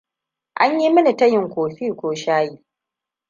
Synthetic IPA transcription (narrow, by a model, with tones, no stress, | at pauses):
ʔa˦ɲji˦mɪ˦ni˨tɐ˦jɪ˨ŋkʷoː˨ɸiː˦kʷoː˨ʃaː˦ji˨